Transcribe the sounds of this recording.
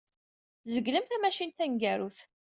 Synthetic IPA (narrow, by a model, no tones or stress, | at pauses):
zəɡləmθæmæʃint̪æŋɡæɾuθ